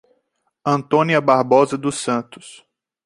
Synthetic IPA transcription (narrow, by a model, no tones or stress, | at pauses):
ɐ̃nt̪õniɐbaɾbɔzɐd̪ʊsɐ̃nt̪ʊ̥s